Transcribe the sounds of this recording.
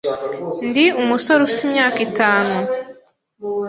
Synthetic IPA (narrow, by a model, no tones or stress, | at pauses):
ndiumusoɾufitimɲaːkitaːnu